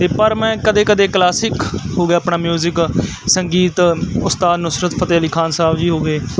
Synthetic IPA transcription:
t̪eːpəɾmɛ̃ːkəd̪eːkəd̪eːklaːsɪkɦoːɡejaːpɳaːmjuːzɪk | səŋɡiːt̪ʊst̪aːd̪nʊsɾət̪pʰət̪eːəliːkʰaːnsaːbd͡ʒiːɦoːɡeː

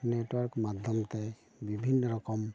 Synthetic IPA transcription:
netwɔɹkmad̪ʱjɔmt̪ɛ | bibʱinːɔɾɔkɔm

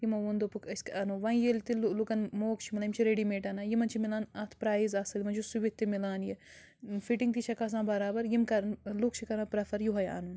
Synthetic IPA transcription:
jimɐʋund̪opukɐskɐnoʋãːĩjelt̪illukɐnmoːkt͡ʃʰimilaːimt͡ʃʰiɾeɖimeːʈɐnaːjimɐnt͡ʃʰimilaːnɐt̪ʰpɾaːizaːsɐlʲimɐnt͡ʃʰusuʋit̪ːimilaːnje | fiʈiŋɡt̪it͡ʃʰɐkas̬ãːbɐɾaːbɐɾjimkɐɾnlukt͡ʃʰikɐɾãpɾɐfɐɾjuɦɐja̰nuːn

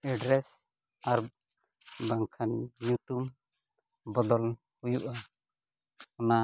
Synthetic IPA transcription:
ɛɖɾɛs | aɾ | baŋkʰanːjuʈum | bɔd̪ɔl | hujuʔa | ɔna

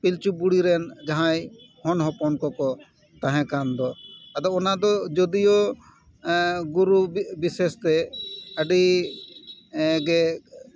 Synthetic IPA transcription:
pilt͡ʃubuɽiɾɛnd͡ʒaɦãj | hɔnɦɔpɔnkɔkɔ | t̪ãɦɛ̃kand̪ɔt̪ad̪ɔɔnad̪ɔd͡ʒɔd̪ijɔ | ɡuɾubisest̪ɛəɖi | ɡɛ

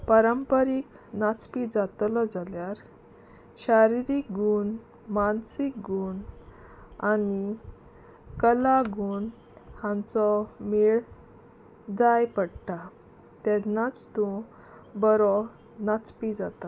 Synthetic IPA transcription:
pəɾəmpəɾik | nat͡spid͡zat̪lɔd͡zaljaɾ | ɕaɾiɾik̚ɡuːn | mansik̚ɡuːn | ani | kəlaɡuːn | hãnt͡sɔmiɭ | d͡zajpəɽʈa | t̪ɛnat͡st̪ũ | bəɾɔ | nat͡spid͡zat̪a

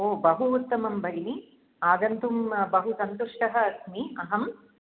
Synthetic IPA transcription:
oːbɐɦuːt̪ːɐmɐmbʱɐɾini | aːd̪ɐnt̪umbɐɦusɐnt̪uʂʈɐɦɐɐsmiɐɦɐm

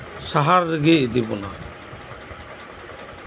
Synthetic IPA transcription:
saɦaɾːɛɡed̪ibɔna̰

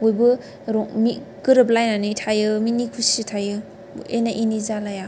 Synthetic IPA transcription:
ojbɯ | ɾɔmikɯɾɯblajnanitʰajɯminikʰusitʰajɯ | enaʔinizalaja

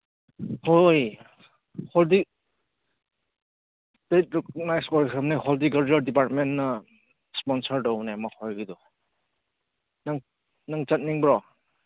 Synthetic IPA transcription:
hoj | hɔldi | stet̚ɾɔkɔnajskɔɾikʰɯmnihɔldiɡaɾd͡ʒaɾdipaɾt̚menːɐ | spɔnsəɾdɔwnajmahɔjɡidɔ | naŋ | naŋt͡ʃat̚niŋbɾɔ

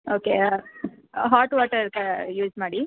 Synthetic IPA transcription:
oːke | ɦaːʈʋaːʈɐɾkajuːd͡ʒmaːɽi

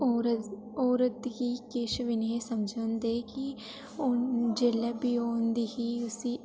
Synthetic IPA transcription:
oɾ | oːɾət̪ɡiːkeːʃʋɪnieːsəmd͡ʒənd̪eːki | ʊnd͡ʒeːleːbiːoːnd̪iːɦiːʊsiː

